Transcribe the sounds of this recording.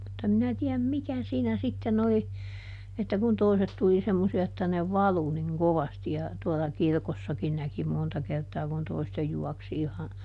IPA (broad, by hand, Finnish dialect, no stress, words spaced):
mutː em minæ tiæm mikæ siːnæ sitːen oli etːæ kun toiset tuli semːosiɑ etːæ ne ʋɑlu niŋ koʋɑsti jɑ tuɔlɑ kirkosːɑkin næki montɑ kertɑː kun toistej juɑksi ihɑ